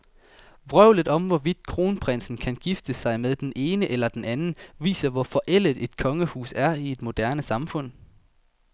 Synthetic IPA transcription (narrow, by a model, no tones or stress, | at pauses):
ʋʁœʊ̰ləðˠɒ̽mʋɒʋid̥̚kʰʁo̝ːnpʰʁen̰sn̩kʰænɡ̥ifd̥əsɑ̈ɪmeðˠd̥enʔe̝ːnəʔelɐd̥enænn̩ʋḭːsɐʋɒfɒ̽ʔel̰ð̩ˠe̝d̥kʰɒ̽ŋəhṵːsæɐie̝d̥mo̝d̥æɐnəsɑ̈mfɔ̽n̰